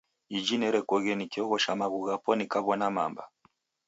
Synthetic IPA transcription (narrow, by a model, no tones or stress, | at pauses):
id͡ʒinɛɾɛkɔɣɛnikɛɔɣɔʃamaɣuɣapɔnikaβɔnama̰mba̰